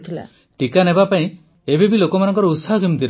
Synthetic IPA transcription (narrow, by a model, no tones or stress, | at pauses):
t̪ʰila̰ | ʈikanebapaĩ | ebebilokɔmanɔŋkɔɾɔut̪sɔɦɔkimd̪ʰʱil